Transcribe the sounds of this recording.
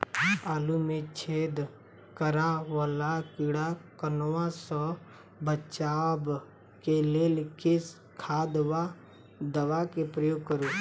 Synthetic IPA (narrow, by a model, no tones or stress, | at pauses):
aːlumet͡ʃʰeːd̪ | kəɾaʋəlakɪɽakənwasə | bət͡ʃaːb | keleːlkɪs | kʰaːd̪ʋa | d̪əʋakepɾəjoːɡ̚kəɾuː